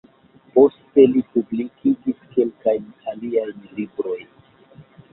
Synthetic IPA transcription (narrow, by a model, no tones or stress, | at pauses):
po̞ste̞lipublikiɡiske̞lkajnaliajnlibɾo̞jn